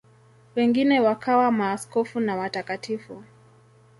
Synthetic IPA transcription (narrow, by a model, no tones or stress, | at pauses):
wɛŋɡinɛwakawamaːskɔfunawatakatʰifu